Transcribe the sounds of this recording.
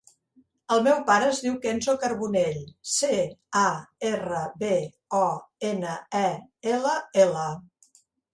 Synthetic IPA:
əlˠmɛwpaɾəːzðiwkenzokəɾβuneʎseaerəβe | ɔenəɛeləelə

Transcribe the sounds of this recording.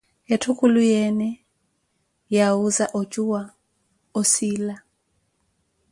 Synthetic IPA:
ɛtʰukʼulujɛnɛ | jauzaʔɔt͡ʃʼuwa | ɔsila

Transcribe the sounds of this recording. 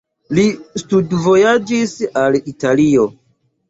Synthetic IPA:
listudvo̞jad͡ʒisalitalio̞

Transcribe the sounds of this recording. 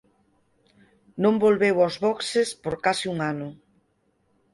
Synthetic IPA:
nõmbolβewazβɔksespoɾkasiuŋanʊ

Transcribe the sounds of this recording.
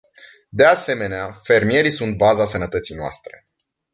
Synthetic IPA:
d̪ease̞me̞neafe̞rmije̞ɾisunt̪̚bazasənət̪ət̪sijnoa̰st̪ɾe̞

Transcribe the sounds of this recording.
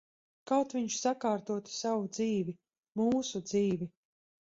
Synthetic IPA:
kawt̪vʲiɲʃsakaːɾt̪uɔt̪i̥savud̪ziːvʲi | muːsud̪ziːvʲi

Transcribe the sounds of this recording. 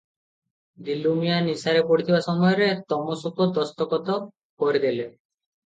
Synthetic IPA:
d̪ilumijanisaɾepoɽit̪ʰibasɔmɔjɔɾet̪ɔmosukod̪ɔst̪ɔkɔt̪ɔ | koɾed̪ile

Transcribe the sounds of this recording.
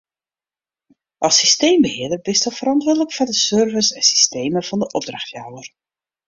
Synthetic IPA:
ʔɑsisteːmbəhɪədərbɪstɔfəɾɑntʋʊːɹdələkfɔdəsørvəsɛnsi̥steːməvɑndəʔɔb̚draχtjawər

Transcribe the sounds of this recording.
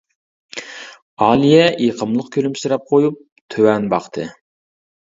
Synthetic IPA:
ɑːlˠijɛʔeqʰəmlˠəqkʲʰølymsɨɾɑp̚qʰojup̚ | t̪ʰøwɛnbɑqt̪ʰɨ̰

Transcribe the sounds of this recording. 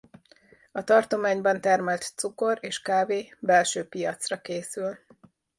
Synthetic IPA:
ɒt̪ɒrt̪o̞maːɲbɒnt̪ɛrmɛlt̪t̪suko̞reːʃkaːveːbɛlʃøːpijɒt̪srɒkeːsyl

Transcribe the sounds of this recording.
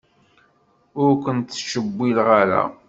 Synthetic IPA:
ʊɾkʷənt̪θʃəbːilʁaɾa̰

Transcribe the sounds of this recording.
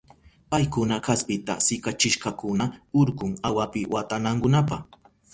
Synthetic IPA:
pajkʊnakaspɪt̪a̰sɪkat͡ʃɪʃkakʊnaʊɾkʊŋawapɪwʔat̪anaŋkʊnapaχ

